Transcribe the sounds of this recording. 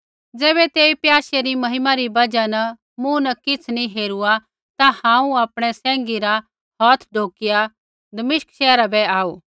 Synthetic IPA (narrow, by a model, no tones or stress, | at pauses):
d͡zɛːβɛt̪eːipjaːseɾimɐɦɪmaɾibɐd͡ʒanɐ | mũnɐkɪt͡sʰnĩɦeːɾua | t̪ahãːũaːpɽ̃ɛsɛ̃ːŋ̆ɡiɾa | ɦɔːt̪ʰɖʱoːkɪja | d̪ɐmɪʃkʃɛːɾabɛaːuː